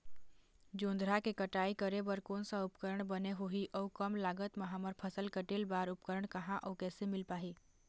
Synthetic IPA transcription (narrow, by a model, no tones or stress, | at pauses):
d͡ʒõːnd̪ɾakekəʈaːikəɾebəɾkoːnsaʊpkəɾəɳ̃bəneɦoɦiʔɔukəmlaːɡət̪maɦəməɾpʰəsəlkəʈelbaɾʊpkəɾəɳ̃kəɦãʔɔːkɛːsemɪlpaːɦi